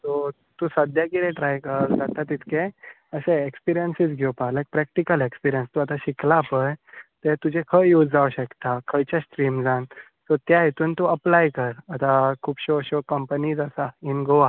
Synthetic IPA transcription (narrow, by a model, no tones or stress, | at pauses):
t̪o | t̪usəd̪jakiɾeʈɾajkəɾd͡zat̪at̪ːit̪ke | əɕeekspiɾijənsit͡sɡʱopalajk̚pɾɛk̚ʈikəlekspiɾijənst̪uat̪aɕiklapəjt̪et̪ud͡ʑekʰəjud͡zd͡zaʋuɕəkt̪akʰəjt͡ɕasʈɾiːmd͡zãn | sɔt̪jaɦet̪uːnt̪uəplajkəɾat̪akʰuːbɕoɕokəmpəniːd͡zəsainɡoa